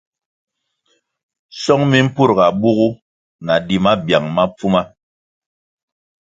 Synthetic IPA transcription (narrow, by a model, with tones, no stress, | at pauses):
sɔ˦ŋmi˦m̩˦pu˦˨ɾɡa˨bu˦ɣu˦ | na˨di˨ma˦bja˨ŋma˦p͡fu˦ma˦